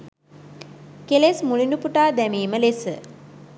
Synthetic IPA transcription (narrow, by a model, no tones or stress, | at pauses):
kelesmulinupuʈaːd̪æmiːməlesə